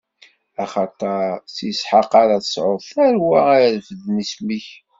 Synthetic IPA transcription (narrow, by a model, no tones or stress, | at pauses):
æχɑt̪ˤɑɾsisħɑqɑɾɑθə̥sʕoðθæɾwææɾfəðnismiç